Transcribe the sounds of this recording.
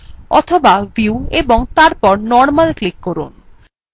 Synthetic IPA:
ɔ̰t̪ʰobaviueboŋt̪aɾpɔɾnɔɾmalklikːɔɾun

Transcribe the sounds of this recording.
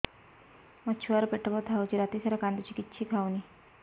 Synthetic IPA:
mət͡ɕʰuʋaɾpeʈəbət̪ʰaot͡ɕiːɾat̪isaɾakand̪ut͡ɕiːkitːɕʰiːkʰawniː

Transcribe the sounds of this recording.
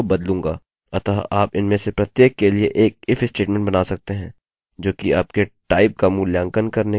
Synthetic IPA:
bɐd̪lũːŋɡa̰ː | ɐt̪aːɦʔa̰ːpɪnmẽsepɾɐt̪jeːkːelieʔeːk̚ɪfɪsʈeːʈmɛ̃ɳʈ̚bɐnaːsɐk̚t̪eɦɛ̃ː | d͡ʒoːkiaːp̚keʈaːɪp̚kamuljãːŋkənkɐɾne

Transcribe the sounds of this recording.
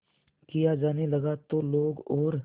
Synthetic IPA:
kijad͡ʒaːnelɐɡat̪oloːɡɔːɾ

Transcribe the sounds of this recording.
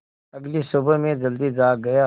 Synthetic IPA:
ɐɡlisʊbəmẽd͡ʒəld̪id͡ʒaːɡɐjaː

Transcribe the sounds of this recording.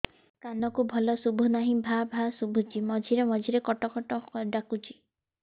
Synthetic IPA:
kanɔkubʱɔlɔsubʱɔnaɦĩbʱabʱasubʱut͡ʃimɔd͡ʒʱiɾemɔd͡ʒʱiɾekɔʈɔkɔʈɔɖakut͡ʃi

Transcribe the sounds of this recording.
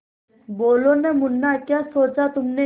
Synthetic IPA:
boːlonemʊnːakjaːsoːt͡ʃat̪ʊmne

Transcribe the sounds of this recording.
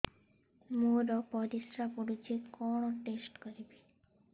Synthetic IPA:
muɾɔpɔd̪isɾapoɽit͡ɕit̪kɔɳoʈesʈkoɾibi

